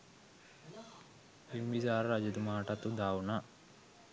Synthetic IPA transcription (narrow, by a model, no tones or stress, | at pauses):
imbizaːɾɾad͡ʒɐd̪umaːʈat̪ud̪aːwna